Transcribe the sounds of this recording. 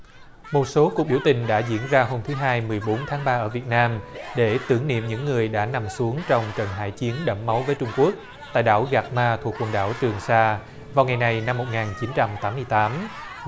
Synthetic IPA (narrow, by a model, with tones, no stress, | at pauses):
mo˨˩t̚so˨˦ku˨˩k̚ɓi˧˩əwt̪ï˨˩ŋ̟ɗa̰ː˧˥zḭ˧˥ənzaː˧ɦo˧mt̪ʰɨ˨˦ɦaː˧jmɨ˨˩əjɓo˨˦nt̪ʰaː˨˦ŋɓaː˧ʔəː˧˩vi˨˩ət̚naː˧mɗe˧˩t̪ɨ˧˩ŋnḭ˧˨əmɲɨ̰˧˥ŋːɨ˨˩əjɗa̰ː˧˥na˨˩msu˨˦əŋt͡ɕɔ˧wŋ͡mt͡ɕəː˨˩nɦa̰ː˧˩jt͡ɕi˨˦ənɗə̰˧˩mːa˨˦wvəː˨˦jt͡ɕʊ˧ŋ͡mku˦˥ək̚ | t̪a̰ː˧˨jɗa̰ː˧˥˩wɣaː˨˩k̚maː˧t̪ʰu˨˩ək̚wə˨˩nɗa̰ː˧˩wt͡ɕɨ˨˩əŋsaː˧ | vaː˨˩wŋa˨˩jna˨˩jna˧mːo˨˩t̚ŋaː˨˩nt͡ɕi˨˦nt͡ɕa˧mt̪aː˨˦mːɨ˧əjt̪aː˨˦m